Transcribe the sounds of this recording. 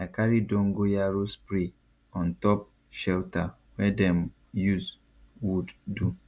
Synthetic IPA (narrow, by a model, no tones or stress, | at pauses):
akaɾidõŋ̩ɡojaɾospɾi | ɔ̃n̩tɔp̚ | ʃɛlta | wɛdɛm | jus | wudːu